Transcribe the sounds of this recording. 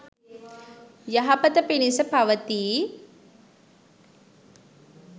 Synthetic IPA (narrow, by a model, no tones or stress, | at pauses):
jaɦapət̪əpinisəpaʋət̪iː